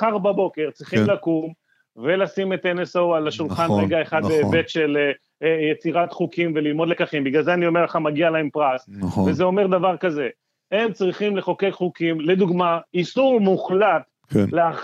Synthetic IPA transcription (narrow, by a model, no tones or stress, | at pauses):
aʁbabo̞ke̞ʁt͡sʁiχimlakum | ve̞lasimet̪enesoalaʃulχanʁeɡaeχad̪bebet̪ʃele | jet͡siʁat̪χukimvelilmo̞d̪le̞kaχimbiɡlalzeanio̞me̞ʁleχamaɡialaempʁasvezeo̞me̞ʁd̪avaʁkaze̞ | hemt͡sʁiχimleχo̞kejχukimled̪uɡmaisuʁmuχlat̪ | lea